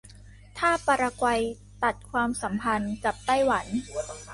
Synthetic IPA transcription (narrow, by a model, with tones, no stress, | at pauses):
t̪ʰaː˥˩paː˧ɾa˧kwa˧j | t̪a˨˩t̪̚kʰwaː˧msa˩˦mpʰa˧nka˨˩p̚t̪a˥˩jwa˩˦n